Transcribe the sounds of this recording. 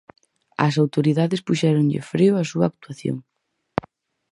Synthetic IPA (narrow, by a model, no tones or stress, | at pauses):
ɐ̰s̬awt̪oɾiðaðɪspuʃɛɾoŋʎɪ̰fɾiʊɐsuɐːk̚t̪uaθjo̰ŋ